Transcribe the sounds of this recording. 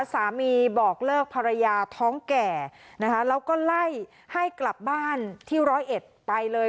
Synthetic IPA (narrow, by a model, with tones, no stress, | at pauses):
saː˩˦miː˧bɔː˨˩k̚lɤː˥˩k̚pʰa˧ɾa˧jaː˧t̪ʰɔː˦˥ŋkɛː˨˩na˦˥kʰa˦˥lɛː˦˥wkɔː˥˩la˥˩j | ha˥˩jkla˨˩p̚baː˥˩nt̪ʰiː˥˩ɾɔː˦˥jʔe˨˩t̪̚pa˧jlɤː˧